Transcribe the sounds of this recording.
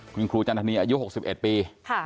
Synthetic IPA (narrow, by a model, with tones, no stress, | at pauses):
kʰu˧nkʰɾuː˧t͡ɕa˧nt̪ʰa˧niː˧ʔaː˧ju˥ho˨˩k̚si˨˩p̚ʔe˨˩t̪̚piː˧kʰa˥˩